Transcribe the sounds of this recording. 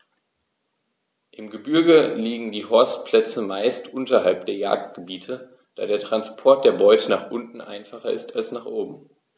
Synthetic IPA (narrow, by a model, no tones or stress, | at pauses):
ʔɪmɡəbʏɐɡəliːɡŋ̩diːhɔɐstpʰl̥ɛt͡səmaɪstʔʊntɐɦalp̚d̥eːɐja̰ːk̚t̚ɡ̥əbiːtʰə | d̥a̰ːdeːɐtʁ̥anspʰɔɐt̚d̥eːɐbɔʏtʰənaːχʔʊntn̩ʔa̰ɪnfaχɐʔɪ̰stalsnaːχʔoːbm̩